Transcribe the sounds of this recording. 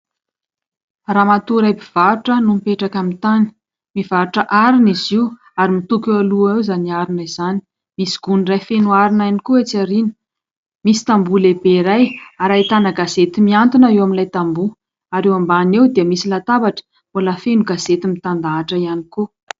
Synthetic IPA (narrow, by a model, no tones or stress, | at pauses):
raːmat̪uɾajpiv̥aɾuʈ͡ʂənumipeʈ͡ʂakamit̪ani̥ | mivaɾuʈ͡ʂəʔaɾiniziw | aɾimit̪ukualuewzaniaɾinizani̥ | misi̥ɡ̥unirajfenuaɾinajnikuet͡saɾini̥ | misi̥t̪ambulebeɾajaɾait̪anaɡazet̪imiant̪unaewamilajt̪ambu | aɾewambanewd̪iəmisilat̪abaʈ͡ʂə̥ | olafenuɡaz̥et̪imit̪and̪aːʈ͡ʂəianiku